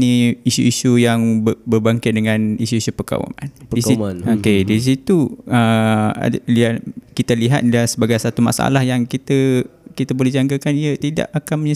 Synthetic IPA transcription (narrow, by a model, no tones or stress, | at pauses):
niisṵisujaŋbbərbaŋkɪt̪̚dəŋanisuisupəka̰wa̰ma̰ndiinokedis̬it̪uə̰ | iakit̪aliɦa̰t̪̚lasəbaɡajsat̪uma̰sa̰lahjaŋkit̪əkit̪abolehd͡ʒaŋkakaniət̪ida̰ʔakanməɲə